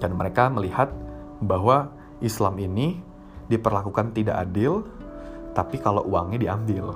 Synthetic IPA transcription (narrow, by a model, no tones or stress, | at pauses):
danməɾekaməlihat̪̚ | baɦwa | ʔislamini | dipərlakukant̪idaʔadɪl | t̪apikalo̰ʔuaŋɲadiambɪl